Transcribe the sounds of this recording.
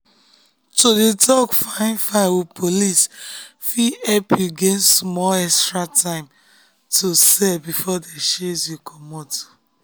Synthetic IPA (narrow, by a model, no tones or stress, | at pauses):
todedɔɡfãɪ̃nfawupʰolisfiɛpiɡẽnsmɔɛstɹatʰãɪ̃m | tosɛbifɔdeʃezjikʰɔmɔto̥